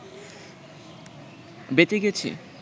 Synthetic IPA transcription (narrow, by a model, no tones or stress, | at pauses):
bet̪eɡet͡ɕʰḭ